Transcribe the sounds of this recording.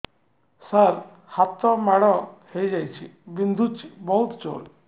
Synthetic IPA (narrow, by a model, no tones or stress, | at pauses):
səɾ | kʰat̪ɔmaɽɔhejd͡ʒajt͡ʃʰibind̪ʱut͡ʃibɔɦut̪t͡ʃo̰ɽ